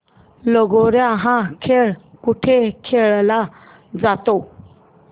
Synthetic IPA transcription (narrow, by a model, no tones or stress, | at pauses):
loɡoɾãɦãkʰeɭkuʈʰekʰeːɭla | d͡zat̪o